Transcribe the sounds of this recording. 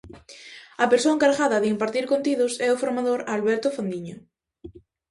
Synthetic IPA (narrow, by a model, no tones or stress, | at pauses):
apeɾsoeŋkaɾɣaðɐðɪimpaɾt̪iɾkont̪iðʊsɛofoɾmaðoɾalβɛɾt̪ofand̪iɲo